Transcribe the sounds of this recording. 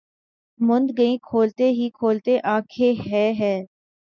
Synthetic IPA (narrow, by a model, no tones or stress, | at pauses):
mʊnd̪ɡəĩkʰoːlt̪eɦikʰoːlt̪eʔaːkʰeɦɛːɦɛː